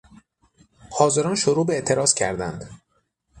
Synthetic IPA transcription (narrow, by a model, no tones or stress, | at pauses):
hɒːze̞ɾɒːnʃoɾuːbeeʔt̪ʰe̞ɾɒːz̥cʰæ̰ɾd̪æ̰nd̪